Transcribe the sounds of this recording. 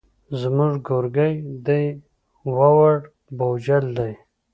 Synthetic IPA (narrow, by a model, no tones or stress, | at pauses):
zmuʐɡoɾɡajd̪aj | wawaɽ | bowd͡ʒald̪aj